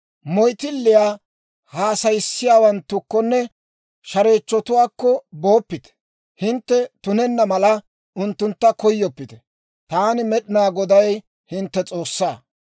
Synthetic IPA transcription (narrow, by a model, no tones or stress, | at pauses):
mɔjt̪ɪlːɪjaː | haːsɐjɪsːɪjaːwɐnt̪ːʊkːɔnːɛ | ʃɐɾe̞ːt͡ʃːɔt̪ʊwaːkːɔbo̞ːpːɪt̪ɛ̥ | hɪnt̪ːɛt̪ʊnɛnːɐmɐlɐ | ʊnt̪ːʊnt̪ːɐkɔjːɔpːɪt̪ɛ̥ | t̪aːnɪmɛɗɪnaːɡɔd̪ɐj | hɪnt̪ːɛt͡sʼo̞ːsːaː